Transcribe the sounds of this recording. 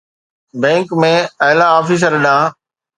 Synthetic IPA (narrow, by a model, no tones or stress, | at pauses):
bɛ̃ːŋkmẽɐɦlaaːfiːs̬əɾɗãː